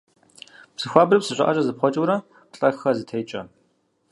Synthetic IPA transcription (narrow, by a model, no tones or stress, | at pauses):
psɨxʷaːbrɨpsɨɕʷʼɐ̰ʔɐɕʼɐzɨp̚χʷɔt͡ʃʼuwɾɐ | qɬʼɐxɐzɨtʰɐjt͡ʃʼɐ